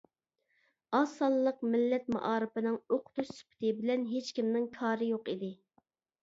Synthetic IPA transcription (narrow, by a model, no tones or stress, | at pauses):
ɑsɑlˠlˠəqmɪlːɛt̪̚mɑ̰ʔɑːɾɨpɨnɪŋoqʰʊ̥t̪uʃsy̥pʰɪ̥t̪ɨbɪlɛnɦet͡ʃkʲimnɪŋkʰɑːɾɨjoqid̪ɪ